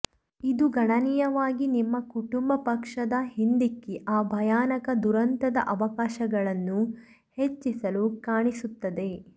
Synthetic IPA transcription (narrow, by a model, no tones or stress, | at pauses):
id̪uɡɐɳɐniːjɐʋaːɡinimːɐkuʈumbɐpɐkʂɐd̪ɐhind̪ikːeʔaːbʱɐjaːnɐkɐd̪uɾɐnt̪ɐd̪ɐʔɐʋɐkaːʃɐɡɐɭɐnːu | het͡ʃːisɐlukaːɳisut̪ːɐd̪e̞